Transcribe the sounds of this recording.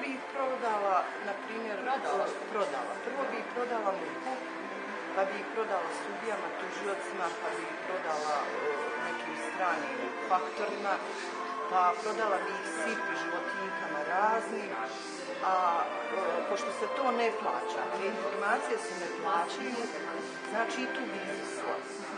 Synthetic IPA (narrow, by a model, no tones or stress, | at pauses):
bipɾod̪ala | napɾiːmje̞ɾ | pɾo̞d̪a̰lˠa̰pr̩ʋo̞ːbipɾo̞d̪alameko | pabihpɾo̞d̪alast̪ud̪ijamat̪uʒijo̞t̪simapabihpɾo̞d̪alane̞kʰiːmst̪ɾaːniːm | fakt̪o̞ɾima | papɾo̞d̪alabi | sipiʒiʋo̞t̪nikanaɾaːzniːm | a | əpo̞ʃt̪o̞se̞t̪o̞ːneplˠa̰ːt͡ɕa̰einfo̞ɾmaːt̪sijesuneplˠaːt͡ɕile | znaːt͡ʃiːt̪ubiːsʋo̰